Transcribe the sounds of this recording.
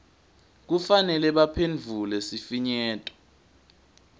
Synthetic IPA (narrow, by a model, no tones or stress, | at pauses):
k̬ufanɛlɛɓapʰenvʱulɛsifiɲɛːtʼɔ̥